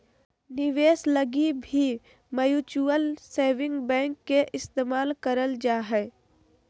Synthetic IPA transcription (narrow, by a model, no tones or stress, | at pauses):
nɪʋeːsləɡibʱi | məjuːt͡ʃuəlseːʋɪ̃ŋɡbɛ̃ːŋkːeʔɪst̪eːmaːlkəɾəld͡ʒaːɦɛː